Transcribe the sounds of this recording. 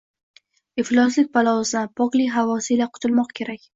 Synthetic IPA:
ɪflˠɒslɪk̚ʲpʰalˠɒwʊsapʰɒqlˠijɦavɒsɪlaqʰʊ̥t̪ʰʊlmɒqkʲʰe̞ɾakʲ

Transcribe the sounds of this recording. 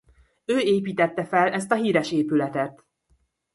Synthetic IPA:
øːeːpiːt̪ɛt̪ːɛfɛlʔɛst̪ɒɦiːɾɛʃeːpylɛt̪ɛt̪

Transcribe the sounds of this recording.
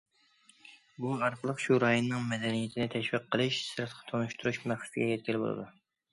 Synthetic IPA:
buɑɾqɑlˠəqʃuɾɑjonːɨŋmɛd̪ɛnijɛt̪ʰɪnɪt̪ʰɛʃwiqʰːəlˠɨʃsɨɾt̪qʰɑ̥t̪ʰonuʃt̪ʰuɾuʃmæχsɨ̥sɪɡʲɛjɛt̪̚kʲʰilɪbo̰lˠɨ̰d̪u

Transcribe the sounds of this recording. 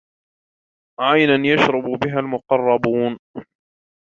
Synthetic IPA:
ʕajnanjaʃɾˤɑbʊbɪɦalmʊqɑrˤːɑbuːn

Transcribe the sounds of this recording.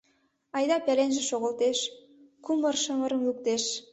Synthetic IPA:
ɑjd̪ɑpælenʒĕʃoɣə̆lt̪eʃ | kumərʃəmə̆ɾə̆mluk̚t̪eʃ

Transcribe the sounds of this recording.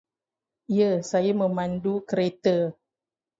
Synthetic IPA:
iəsajamə̃mãndukəɾet̪ə

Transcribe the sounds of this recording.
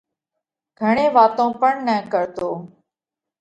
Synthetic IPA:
ɡʱəɳẽːʋaːt̪õːpəɳnəkəɾt̪oː

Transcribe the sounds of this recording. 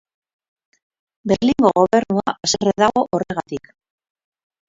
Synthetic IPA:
beɾliŋɡo̞ɣo̞βe̞ɾnuaʔasereðaɣo̞ʔore̞ɣat̪ik

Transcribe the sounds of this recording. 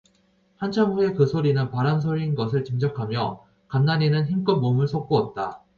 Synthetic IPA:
hant͡ɕʰamue̞kɯsʰoɾinɯnpaɾans̬ʰoɾinɡʌs̬ʰɯɭt͡ɕimd͡ʑʌkʰamjʌ | kanːaninɯnçimk͈ɯːomɯɭsʰok̚k͈oʌt̚t͈a

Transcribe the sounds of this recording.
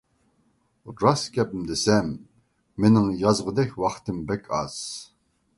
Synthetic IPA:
ɾɑskʲʰɛpmd̪ɪsɛmː | enɪŋjɑzʁəd̪ɛkʲwɑχt̪ɨmbɛkʲʰɑz̥

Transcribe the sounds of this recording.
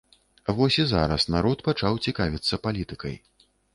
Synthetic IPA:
vɔsʲiza̰ɾɐsnaɾɔt̪pat͡ʂawt͡sʲikavʲit̪sːɐpalʲit̪ɨkɐj

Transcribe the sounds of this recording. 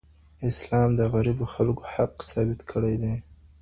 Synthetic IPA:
ɪslɑmd̪əɣaɾiboxalɡo̥haqsɑbɪt̪kʰəɽajd̪e

